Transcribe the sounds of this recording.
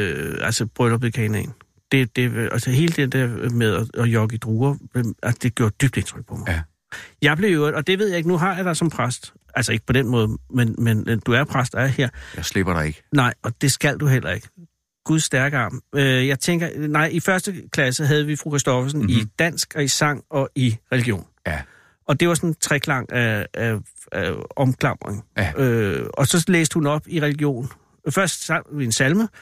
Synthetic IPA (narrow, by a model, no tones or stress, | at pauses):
øælsəb̥ʁœlɐb̥ekʰɛ̰ːnḛn | d̥e̝d̥e̝ælsəɦe̝ːləd̥end̥eɐ̰meðˠɒɒjɒ̽ɡ̥əid̥ʁuːɐæsd̥e̝ɡ̥jo̝ɐd̥yb̥d̥e̝nt͡sʰʁœɡ̥̚pʰɒ̽mɑ | jɑ̈ɪb̥le̝øʊɒ̽d̥e̝ʋe̝ð̞̰ˠjɑe̝ɡ̥nuɦɑ̈jɑ̈ɪdɑ̈sɒ̽mpʰʁasd̥ | ælsɒe̝ɡ̥əpʰɒ̽d̥enmɔ̽ːð̞ˠmenmend̥uæɐpʰʁasd̥ɑæɐhe̝ɐ̰jasleb̥ɐɾɑeɡ̥nɑ̈ɪɒ̽d̥e̝sɡ̥æl̰d̥uɦel̰ɐe̝ɡ̥ə | ɡ̥uðˠsːd̥æɐɡ̥ɑ̈møjɑ̈ɪt͡sʰeŋ̰ɡ̥ɐnɑ̈ɪ̰ifɶɐsd̥əkʰlæsəɦæð̞̩ˠəʋifʁukʰʁesd̥ɒfɐsnnid̥æn̰sɡ̥ɒ̽isɑ̈ŋ̰ɒ̽ʔiʁɛliɡ̥jo̝̰ːn | ɒ̽d̥e̝ʋɑ̈sɒ̽nt͡sʰʁɛkʰlɑ̈ŋ̰ææ | æɒ̽mkʰlɑ̈m̰ʁḛŋøɒ̽sɒ̽lḛːsd̥əhunɒ̽b̥iʁɛliɡ̥jo̝̰ːn | fɶɐsd̥sɑʋiensælmə